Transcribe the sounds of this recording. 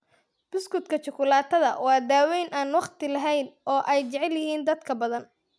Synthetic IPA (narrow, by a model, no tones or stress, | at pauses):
b̥ɪskʰʊd̪kʰɐt͡ʃʊkʰʊlaːt̪ʰɐðɐwɑːd̪aːwɛjnʔaːnwɑqt̪ɪlɐɦɛjnʔɔːʔɛjt͡ʃɛʕɛljɪhiːnd̪ɐd̪kʰɐbɐðɐn